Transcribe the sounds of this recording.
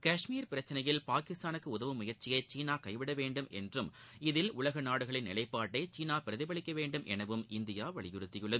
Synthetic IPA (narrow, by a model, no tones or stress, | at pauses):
kɐːʂmiːɾpɪɾɐt͡ʃːɪnɐjɪlpaːkɪst̪aːnɯkːɯʊðɐʋɯmʊjɐɾt͡ʃɪjɐɪt͡ʃiːnaːkɐɪʋɪɽɐʋeːɳɖɯmʔɛ̰ndrɯm | ɪðɪlʊlɐɣɐnaːɽɯɣɐɭɪnːɪlɐɪpːaːʈːɐɪt͡ʃiːnaːpɪɾɐðɪbɐɭɪkːɐʋeːɳɖɯmʔɛnɐʋɯmʔɪnd̪ɪjaːʋɐɭɪjʊɾɯt̪ːɪjɯɭːɐðɯ